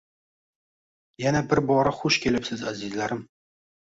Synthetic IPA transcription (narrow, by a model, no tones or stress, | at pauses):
janabɪɾbɒɾaχʊʃkʲʰe̞lɪpsɪzazɪzlaɾɪm